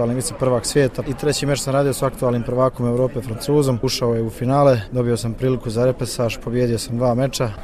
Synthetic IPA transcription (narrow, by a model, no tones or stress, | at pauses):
aːlniʋit̪sepr̩ʋaːɡsʋje̞ːt̪ait̪ɾe̞t͡ɕimet͡ʃsamɾaːd̪ijosaakt̪uaːlˠniːmpɾ̩ʋaːko̞me̞ʋɾo̞ːpe̞fɾant̪uːzo̞muʃaojeufinaːled̪o̞bio̞sampɾiːlikuzaɾepesaːʒpo̞bjeːd̪io̞samd̪ʋaːme̞t͡ʃa